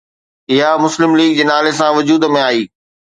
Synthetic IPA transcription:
ɪɦamʊslɪmliːɡ̚d͡ʑeːnaːlesãʋʊd͡ʑuːd̪mẽaːiː

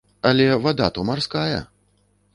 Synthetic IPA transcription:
alʲɛvad̪at̪umarskajɐ̰

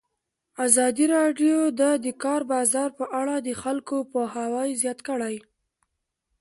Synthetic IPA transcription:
azɑd̪iɾɑɖjod̪əd̪əkɑɾbɑzɑɾpəʔaɽad̪əxalkopohawajzjɑt̪kəɽaj

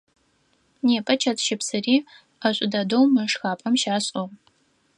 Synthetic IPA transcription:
neːpʼɐt͡ʃʰɐtʰʃɪpsɨriː | ɐɕʷʼʊdɐdowmɨʂxaːpʼɐmʃaːɕʼo

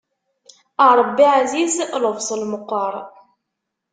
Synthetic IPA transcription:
əɾˤəbːiʕazizləvsˤəlməqːəɾˤ

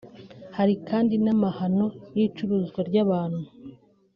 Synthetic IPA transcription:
haɾikaːndinamahano̞jiːt͡ʃuɾuːzɡwaɾɟaβaːnhuu

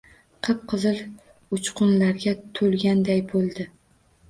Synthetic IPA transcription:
qʰɨp̚qʰɨzɨl | ʊt͡ʃqʰʊnlaɾɡʲat̪ʰolˠɡʲand̪ajbolˠd̪ɪ

